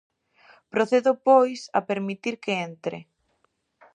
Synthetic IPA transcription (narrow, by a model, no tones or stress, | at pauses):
pɾoθeðʊpojsɐ̰peɾmit̪iɾkeent̪ɾḛ